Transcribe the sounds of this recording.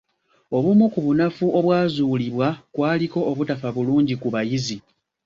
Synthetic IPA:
o̞βumukuβunafuʔo̞βwaːzuːliβwakwaːliko̞ʔːβutafaβuluːɲɟikuβajizi

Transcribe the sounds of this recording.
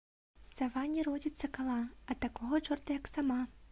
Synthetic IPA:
savanʲːiɾɔd͡zʲit̪sːɐkalˠaɐt̪akɔɦɔt͡ʂɔrt̪ɐjɐksama

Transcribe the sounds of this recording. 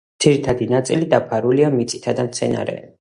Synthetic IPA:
d̪z̥iɾit̪ʰad̪inat̪sʼilid̪apʰaɾuliamit̪sʼi̥t̪ʰad̪amt̪sʰɛna̰ɾɛ̰

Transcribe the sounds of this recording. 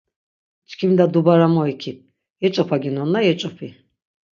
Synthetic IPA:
t͡ʃʰʼkʰimd̪ad̪ubaɾamɔikʰip̚ʰ | jɛt͡ʃʼɔpʰaɡinɔnːajɛt͡ʃʼɔpʰi

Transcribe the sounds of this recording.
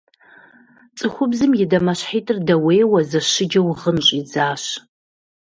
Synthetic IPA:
t͡sʼɨχʷʊbzɨmjɪdɐmɐɕħiːtʼɨrdɐweːjwɐzɐɕɪd͡ʒɐwʁənɕʼid͡zaːɕ

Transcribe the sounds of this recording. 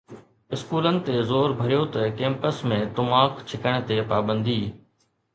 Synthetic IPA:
ɪskuːlənɪ̆t̪ezoːɾbʱɐɾjot̪ɐkẽːmpəsmẽt̪ʊmaːkt͡ʃʰɪkəɽ̃̆t̪eːpaːbə̃nd̪ʱiː

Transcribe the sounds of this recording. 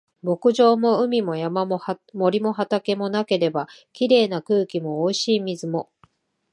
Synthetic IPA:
bo̞kɯ̟ʑo̞ːmo̞ɯ̟mʲimo̞jamamomo̞ɾʲimo̞ɦat̪ake̞mo̞nake̞ɾe̞bakʲiɾe̞ːnakɯ̟ːkʲimo̞ːiɕiːmʲizɨmo̞

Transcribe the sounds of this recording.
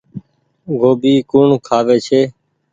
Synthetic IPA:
ɡʱoːbiːkuːɳkʰaːʋeːt͡ʃʰeː

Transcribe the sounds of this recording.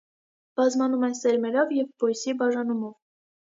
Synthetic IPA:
b̥ɑzmɑnumɛsɛɾmɛɾɔvjɛvbɔjsibɑʒɑnumɔv

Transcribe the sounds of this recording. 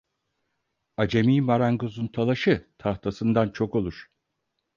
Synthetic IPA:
ad͡ʒemiːmaɾaŋɡozunt̪ʰalˠaʃɯt̪ʰaht̪ʰasɯnd̪ant͡ʃʰo̞ko̞lˠuɾ̥

